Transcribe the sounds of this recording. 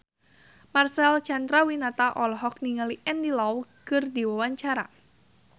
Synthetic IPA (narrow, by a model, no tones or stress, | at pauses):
marsɛlt͡ʃandɾawinat̪aʔɔlɦɔk̚niŋaliʔɛndilawkɨrdiwawaɲt͡ʃaɾa̰